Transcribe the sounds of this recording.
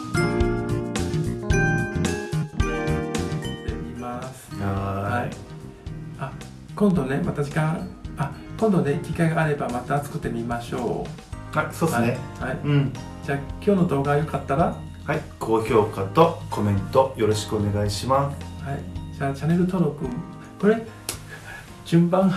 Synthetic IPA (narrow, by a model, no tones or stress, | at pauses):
t̪emʲimasɨ̥ahaḭ | a | kõnd̪o̞ne̞mat̪ad͡ʑikãakõ̞nd̪o̞ne̞ikʲikaiɡaaɾe̞bamat̪aːt͡sɨ̥kɯ̟t̪ːe̞mʲimaɕo̞̰ː | hasodesnehaĩ | d͡ʑaːkʲo̞ːno̞d̪o̞ːɡajo̞kat̪ːaɾa | haikʰo̞ːço̞ːkat̪o̞ko̞mẽ̞nt̪o̞jo̞ɾo̞ɕi̥kɯone̞ɡaiɕimashaḭd͡ʑaːt͡ɕane̞ɾɯ̟t̪o̞ɾo̞kɯ̟ | ko̞ɾe̞ | d͡ʑ̥ɨ̃mbãh